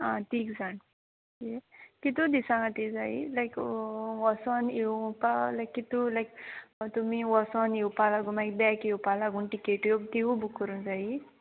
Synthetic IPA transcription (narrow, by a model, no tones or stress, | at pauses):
ãt̪ikzan | kekit̪ud̪isãŋat̪izailajkwɔsɔnipalajkːit̪ulajkt̪umiwɔsɔniwpalaɡunmajk̚bɛkiwpalaɡunʈikeʈjobt̪iubukuɾunzai